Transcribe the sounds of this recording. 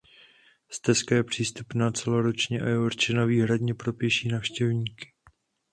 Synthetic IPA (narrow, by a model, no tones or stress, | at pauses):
st̪ɛskajɛpr̝̥iːst̪upnat͡sɛloɾot͡ʃɲɛʔajɛoɾt͡ʃɪnaviːɦɾadɲɛpɾo̞pjɛʃiːnaːfʃcɛvɲiːkɪ̥